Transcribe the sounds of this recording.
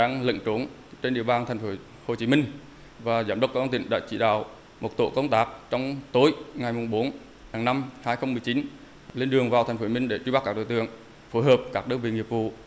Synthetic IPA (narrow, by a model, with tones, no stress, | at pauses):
ɗaː˨˦ŋlə̰˧˨ŋ̟t͡ɕo˨˦n | t͡ɕe˧nɗḭ˧˨əwɓaː˨˩nt̪ʰɛ˨˩jŋ̟fo˨˦ | ho˨˩t͡ɕi˨˦mï˧ŋ̟ | vaː˨˩zaː˧˩mɗə˦wt̚kːaː˦˧˩vt̪ï˧˩ŋ̟ɗa̰ː˧˥t͡ɕḭ˧˩ɗa̰ː˧˨w | mo˨˩t̚t̪o̰˧˨kə˧wŋ͡mt̪aː˦˥k̚t͡ɕɔ˧wŋ͡mt̪o˨˦jŋa˨˩jmʊ˨˩ŋ͡mɓo˨˦n | haː˨˩ŋna˧mhaː˧jxə˧wmɨ˨˩əjt͡ɕi˨˦n | le˧nɗɨ˨˩əŋvaː˨˩t̪ʰɛ˨˩j̟foː˨˧˩mï˧ŋ̟ɗe˧˩t͡ɕɓa˦˥kːaː˥ɗo̰˧˨t̪ɨ˧˨əŋ | fo˨˦jɦəː˨˩p̚kaː˦˥k̚ɗɨ˧ŋvḭ˧˨ŋi˨˩əp̚vṵ˧˨